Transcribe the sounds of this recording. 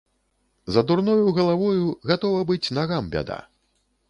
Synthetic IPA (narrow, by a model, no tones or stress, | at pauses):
zɐd̪urnɔjuɣɐlˠavɔjuɣat̪ɔvɐbɨt͡sʲnaɣambʲa̰d̪a̰